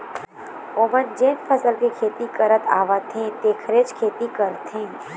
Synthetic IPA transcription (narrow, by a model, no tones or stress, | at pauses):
oːmənd͡ʒeːnpʰəsəlkekʰeːt̪ikəɾət̪a̰ːʋat̪ʰɦẽt̪eːkʰɾeːt͡ʃkʰeːt̪ikəɾt̪ɦẽː